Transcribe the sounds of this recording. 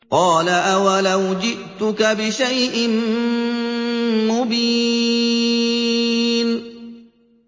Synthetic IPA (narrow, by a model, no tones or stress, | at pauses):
qɑːlaʔawalawd͡ʒɪʔt̪ʊkabɪʃajʔɪm | mʊbi | n